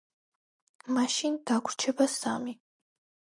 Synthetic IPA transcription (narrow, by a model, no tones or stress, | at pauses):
maʃind̪̥akʷʰɾt͡ʃʰɛbasami